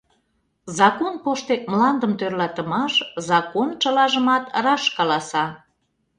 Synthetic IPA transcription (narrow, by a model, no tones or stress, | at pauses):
zɑkonpoʃt̪emlɑnd̪əmt̪ørlɑt̪ə̆mɑʃzɑkont͡ʃəlɑʒəmɑt̪rɑʃkɑlɑsɑ